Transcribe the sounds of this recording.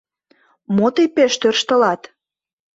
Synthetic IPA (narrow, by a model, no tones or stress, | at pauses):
mot̪ejpeʃt̪ørʃt̪əlɑt̪